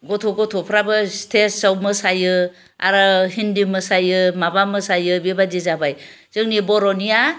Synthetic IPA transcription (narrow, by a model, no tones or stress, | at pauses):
ɡɔtʰɔɡɔtʰɔpʰɾabɯstʰesawmɯsajɯ | a̰ɾɯɦindimɯsajɯmabamɯsajɯbibadizabaj | z̥ɯŋnibɔɾɔnija